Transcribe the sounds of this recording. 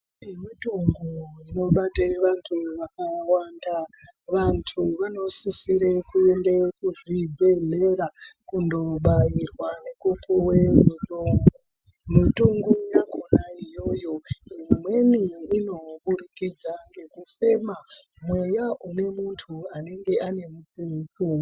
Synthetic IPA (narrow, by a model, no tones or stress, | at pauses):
imituŋɡuino̞ɓateʋantʰuʋakawandaʋantʰuʋano̞sisiɾekuende̞kuʐibʱe̞ɮe̞rakundo̞ɓajirwane̞kupʰuwemuŋu | mutuŋɡujakonaijo̞jo̞imwe̞niːno̞ɓuɾikid͡zaŋɡe̞kufe̞ma | mwe̞jaʔune̞muntʰuane̞ŋɡe̞ane̞mut͡siku